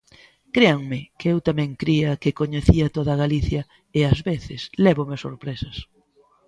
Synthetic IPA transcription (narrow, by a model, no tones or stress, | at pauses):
kɾeaŋmɪkɪewt̪amɛ̃ŋkɾiɐkɪkoɲeθiɐt̪oðɐɣaliθjɐ | eazβeθɪslɛβomɪso̰ɾpɾesɐs